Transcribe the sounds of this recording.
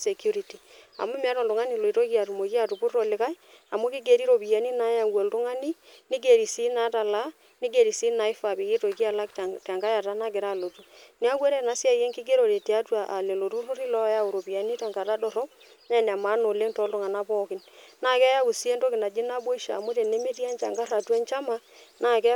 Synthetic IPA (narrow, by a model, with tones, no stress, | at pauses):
se˨kju˦ɾi˨ti˨a̰˨mʊ˦m˦a˦tɔ˨ldʊ˨ŋa˦ni˨lo˨i˨to˦ki˦a˨tu˨mo˨ki˦a˦˨tu˨pu˦ro˨lɪ˨ka˦ja˨mo˦kɪ˦ɡe˨ɾi˦ɾo˨pi˨ja˨ni˦na˦ja˨ŋɡwo˨ltʊ˦ŋa˦ni˦nɪ˦ɡe˨ɾi˨si˦na˦ta˨la˦ | nɪ˦ɡe˨ɾi˨si˦na˦i˦fa˨pi˨kɪ˦to˨ki˦a˦˨la˦ktta˨ŋɡa˦ja˨ta˦na˦ɡɪ˨ɾa˦˨lo˨tu˦ni˦a˦kwe˦ɾe˦˨na˦sja˦je˦ŋkɪ˦ɡe˦ɾo˨ɾe˨te˨a˦twa˨ʔa˨le˨lo˨tu˦ru˦ɾi˦lɔ˦ja˦u˨ɾo˨pi˨a˨ni˦ta˨ŋɡa˨ta˦dɔ˨ɾɔ˦p | ɲa˦˨n˨a˨ma˦no˨le˦ŋtɔ˦ltʊ˦ŋa˨na˦pɔ˦kɪ˦nnaː˦˨kɛ˦ja˦u˨si˦e˦ndo˦kɪ˨na˨d͡ʒi˦na˦bo˦i˦ʃa̰ː˨mu˦te˨ne˦me˦ti˦a˦nt͡ʃa˨ŋɡa˦ra˨tu˦a˦nt͡ʃa˦ma˦ | na˨kɛ˦